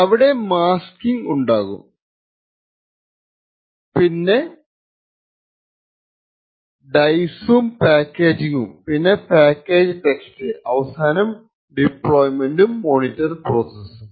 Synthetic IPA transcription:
ɐʋiɽe̞maːskiŋɡuɳɖaːɣṵm | pinːe̞ | ɖɐjsumpaːkːeːd͡ʑiɣumpinːe̞paːkːe̞ːd͡ʑɨtekstɨɐʋɐsaːnɐm | ɖipɭoːjmenɖumːoːnitːɐrproːsesum

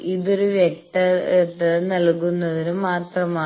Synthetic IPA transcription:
iðoɾuʋeʈːɐet̪ːɐnɐlkːunːɐðinumːaːt̪rɐmaː

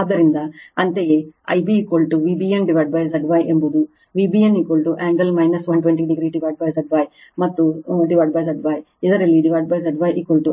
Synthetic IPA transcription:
aːd̪ɐɾind̪ɐɐnt̪ejeɐ̰jbiːkolʈuʋiːbienɖiʋɐɖ̚baːjsɐɖʋaːjʔembud̪u | ʋibienikolʈuʔeːmɡɐlmɐjnɐsʋɐnʈʋeɳʈiɖiɡɾiːɖiʋɐːɖ̚baːjsɐɖʋaːj | mɐt̪ːuɖiʋɐɖ̚baːjsɐɖʋaːj | id̪ɐɾɐlːiɖiʋɐɖ̚baːjsɐɖʋaːjʔikɐlʈu

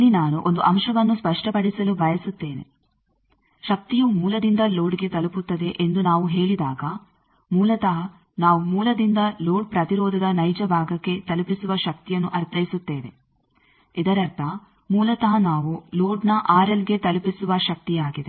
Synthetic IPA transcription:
ɐlinaːnuʔo̞nd̪uʔɐmʃɐʋɐnːuspɐʂʈɐpɐɽisɐlubʱɐjɐsut̪ːeːne̞̰ | ʃɐk̚t̪ijumuːlɐd̪ind̪ɐloːɖiɡe̞t̪ɐluput̪ːɐd̪e̞ʔend̪unaːʋuɦe̞ːɭid̪aːɡɐ | muːlɐt̪ɐɦɐ | naːʋumuːlɐd̪ind̪ɐloːɖpɾɐt̪iɾɔːd̪ʱɐd̪ɐnɐjd͡ʒɐbʱaːɡɐkːe̞t̪ɐlupisuʋɐʃɐk̚t̪ijɐnːuʔɐɾt̪ʰɐjisut̪ːeːʋe̞̰ | id̪ɐɾɐɾt̪ʰɐ | muːlɐt̪ɐɦɐnaːʋuloːɖnɐʔaːɾɐliɡe̞t̪ɐlupisuʋɐʃɐk̚t̪ijaːɡid̪e̞

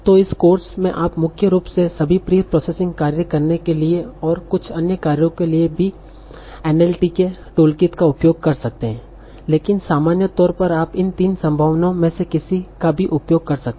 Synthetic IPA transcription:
t̪oɪskoːɾsmẽʔaːpmʊkʰjəɾuːpsesɐbʱipɾiːpɾɔːseːsɪ̃ŋɡ̚kaːɾjəkɐɾnekelieɔːɾkʊt͡ʃʰɐnjəkaːɾjõkeliebʱi | ɛːnɛːlʈike | ʈoːlkɪt̪kaʊpjoːɡ̚kɐɾsɐk̚t̪eɦɛ̃ː | leːkɪnsaːmaːnjət̪ɔːɾpɐɾaːpɪnt̪iːnsɐ̃mbʱaːʋnõmẽsekɪsikabʱiʔʊpjoːɡ̚kɐɾsɐk̚t̪

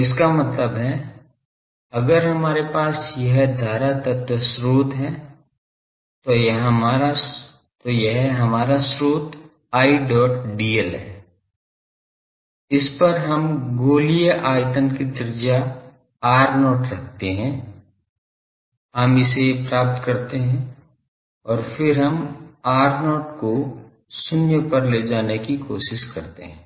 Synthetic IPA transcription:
ɪskamɐt̪ləbɦɛ | ɐɡəɾɦɐmaːɾepaːsjɐɦd̪ʱaːɾat̪ɐt̪əsɾuːt̪ɦɛ | t̪ojɐɦɐmaːɾa | t̪ojɐɦɦɐmaːɾasɾuːt̪ | aːiɖɔːʈ̚ɖiːəlɦɛː | ɪspɐɾɦɐmɡoːlijəʔaːjt̪ənkid̪ɪɾɪd͡ʒa | aːɾnɔːʈɾɐk̚ʰt̪eɦɛ̃ː | ɦɐmɪsepɾaːp̚t̪kɐɾt̪eɦɛ̃ | ɔːɾfɪɾɦɐmaːɾnɔːʈko | sʊnjəpɐɾleːd͡ʒaːnekikoːʃɪʃkɐɾt̪ḛɦɛ̃ː

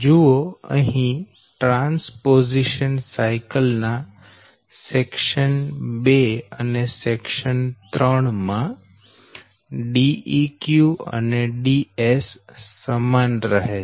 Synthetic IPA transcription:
d͡ʒuoə̰ɦĩ | ʈɾãnspoziʃənsaɪkəlna | sekʃənbeənesekʃənt̪ɾəɳmã | ɖiikjuə̰neɖiesːəmanɾəɦe

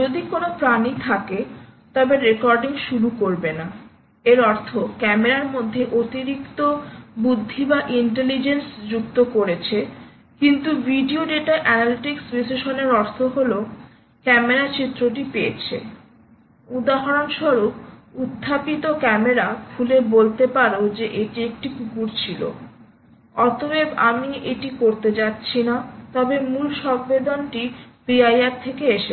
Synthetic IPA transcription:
d͡ʑod̪ikonopɾanit̪ʰaket̪ɔbeɾekɔɾɖiŋʃuɾukoɾbena | eɾɔɾt̪ʰokɛmeɾaɾmod̪ʱːeʔot̪iɾikt̪obud̪ʱːibaʔiɳʈelid͡ʑensd͡ʑukt̪okoɾet͡ɕʰe | kint̪ubʱiɖioɖeʈaʔɛnaliʈiksɾiseʃoneɾɔɾt̪ʰoɦolo | kɛmeɾat͡ɕit̪ːɾoʈipeet͡ɕʰḛ | ud̪aɦaɾonʃɔɾok̚ut̪ʰːapit̪okɛmeɾakʰulebolt̪epaɾod͡ʑeʔeʈiek̚ʈipukuɾt͡ɕʰilo̰ | ɔt̪obebamieʈikoɾt̪ed͡ʑatːɕʰinat̪ɔbemulʃɔmbed̪onʈipiajaɾt̪ʰekeeʃe

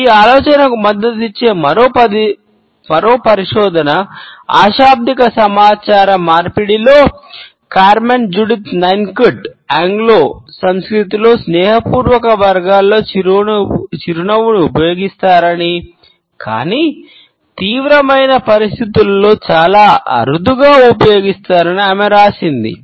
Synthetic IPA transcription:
iːaːlɔːt͡ʃɐnɐkumɐd̪ːɐt̪it͡ʃːe̞ːmɐɾoːp̪ | mɐɾo̞ːpɐɾiʂɔːd̪ʱɐnɐa̰ːʃaːb̚d̪ikɐsɐmaːt͡ʃaːɾɐmaːɾpiɽilo̞ː | kaːɾmend͡ʒuɽit̪nɐjnkuʈaːŋɡloːsɐmskɾit̪ilo̞ːsnɛːɦɐpuːɾʋɐkɐʋɐɾɡaːlːo̞ː | t͡ʃiɾunɐʋuniupɐjo̞ːɡist̪aːɾɐni | ka̰ːniː | t̪iːʋɾɐmɐjnɐpɐɾist̪it̪ulːo̞ːt͡ʃaːlaːɐ̰ɾud̪ʱuɡaːupɐjo̞ːɡist̪aːɾɐniɐmɛɾaːsind̪ḭ

